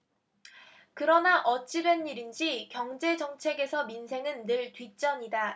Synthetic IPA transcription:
kɯɾʌnaʔʌt͡ɕ͈iɾenːiɾind͡ʑikjʌŋd͡ʑe̞d͡ʑʌŋt͡ɕʰe̞ɡe̞sʰʌminsʰe̞ŋɯnːɯɭtɥit͡ɕ͈ʌɲida

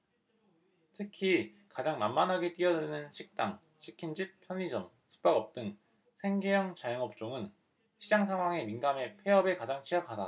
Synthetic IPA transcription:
tʰɯkʰi | kad͡ʑaŋnamːanɦaɡet͈iʌdɯnɯnɕʰik̚t͈aŋ | t͡ɕʰikʰind͡ʑip̚pʰjʌɲid͡ʑʌm | sʰu̥k̚p͈aɡʌp̚t͈ɯŋ | sʰe̞ŋɡejʌŋt͡ɕajʌŋʌp̚t͡ɕ͈oŋɯn | ɕʰid͡ʑaŋsʰaŋɦwaŋe̞minɡame̞pʰe̞ɦʌbekad͡ʑaŋt͡ɕʰijakʰada

